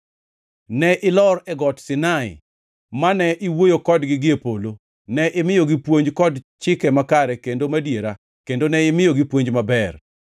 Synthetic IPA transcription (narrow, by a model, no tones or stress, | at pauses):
nɛʔɪlɔɾɛɡɔtsɪnaɪ̰ | manɛʔɪwojokɔdɡɪɡɪepolo | nɛʔɪmɪjoɡɪpwoɲd͡ʒkɔdt͡ʃɪkɛmakaɾɛkendomadjeɾa | kendonɛɪmɪjoɡɪpwoɲd͡ʒmabɛr